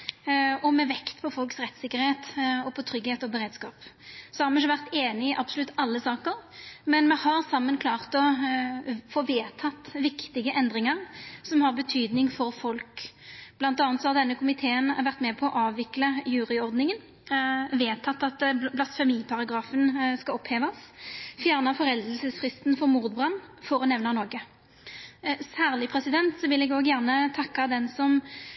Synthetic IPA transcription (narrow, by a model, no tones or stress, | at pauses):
ɔmɛʋɛkt̪pʰɔfɔlksʁɛt̪ːsɪkːəʁɾheːt̪ɔpʰɔt̪ʰɾʏɡheːt̪ɔbəɾeːd̪skɑːpsɔhɑɾmɛɪçəʋæʁt̪eːnɪɪʔɑb̥sʊlʉt̪ːɑlːəsɑːkəɾmɛnmɛhɑʁsɑmːənkʰlɑːʁt̪ɔ | foːʋeːt̪ʰɑt̪ːʋɪkt̪ɪɡəʔɛnd̪ʁɪŋəʁsɔmhɑʁbət̪ʰyːd̪nɪŋfɔɾfɔlk | b̥lɑnt̪ɑːnt̪sɔhɑʁd̪ɛnːəkʰʊmɪt̪ʰeːənʋæʁt̪mɛpʰɔːʔɑːʋʋɪkləjʉːʁɪɔʁd̪nɪŋən | ʋeːt̪ʰɑt̪ːɑt̪blɑsfɛmiːpʰɑʁɑɡʁɑːfənskɑɔpʰheːʋɑsfjæːʁnɑfɔʁɛld̪əlsəsfʁɪst̪nfɔʁmuːʁd̪bʁɑnːfɔɾɔnɛʋnɑnɔɡə | sæːʁlɪpʰʁɛsɪd̪ɛnt̪sɔʋɪlɛɡoːɡjæʁnət̪ʰɑkːɑd̪ɛnsɔm